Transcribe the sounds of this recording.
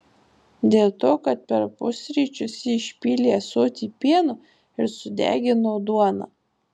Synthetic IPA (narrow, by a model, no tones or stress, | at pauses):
d̪ʲeːlˠt̪oːkɐt̪̚pʲɛɾpʊsʲɾʲiːt͡ʃʲʊsʲɪɪʃʲpʲiːlʲeːsoːt̪ʲiːpʲiɛnʊ | ɪɾsʊd̪ʲæ̰ːɡʲɪnoːd̪uɔnɐ̰